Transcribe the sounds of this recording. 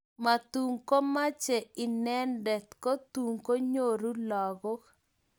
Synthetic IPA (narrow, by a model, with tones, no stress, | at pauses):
ma˨t̪u˨ŋko˦ma˦t͡ʃɛ˨ɪ˨nɛ˦ndɛ˨t̪ko˦t̪u˨ŋko˦ɲo˨ɾu˦lɔ˨ɡɔ˦k